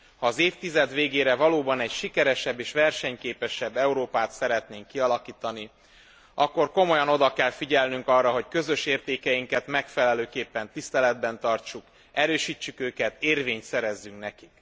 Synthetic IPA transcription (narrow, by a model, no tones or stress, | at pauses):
hɒːzeːft̪izɛd̪ʋeːɡeːɾɛvɒloːbɒnɛcʃikɛɾɛʃɛbːeːʃʋɛrʃɛɲkeːpɛʃɛbːɛuɾoːpaːt̪sɛɾɛt̪neːŋkːiɒlɒkiːt̪ɒni | ɒkːo̞rko̞mo̞jɒno̞d̪ɒkɛlfiɟɛlnyŋkɒrːɒɦo̞ckø̞zø̞ʃeːrt̪eːkɛjiŋkɛt̪mɛkfɛlɛløːkeːpːɛnt̪ist̪ɛlɛd̪bɛnt̪ɒrt͡ʃuk | ɛɾøːʃiːt͡ʃːykøːkɛt̪eːrveːɲt̪sɛɾɛzːyŋknɛkik